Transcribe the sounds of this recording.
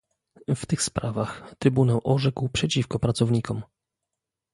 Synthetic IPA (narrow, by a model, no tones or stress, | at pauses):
ft̪ɘxspɾavaxt̪ɾɘbunawʔɔʐɛkwpʂɛt͡ɕifkɔpɾat̪sɔvɲikɔm